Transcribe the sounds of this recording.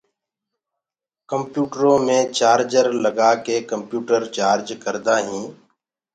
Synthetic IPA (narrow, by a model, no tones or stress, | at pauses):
kəmpjuːʈəɾõːmẽːt͡ʃaːɾd͡ʒəɾləɡaːkeːkəmpjuːʈəɾt͡ʃaːɾd͡ʒkəɾd̪aːɦĩː